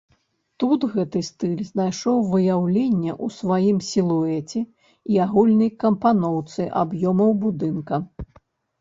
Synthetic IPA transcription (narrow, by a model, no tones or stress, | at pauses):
t̪ut̪ɣɛt̪ɨst̪ɨlʲznajʂɔwvɨjawlʲenʲːɛʔusvajimsʲilˠuɛt͡sʲɛ | iaɣulʲnɐjkɐmpanɔwt̪sɨʔa̰bjɔmɐwbud̪ɨnkɐ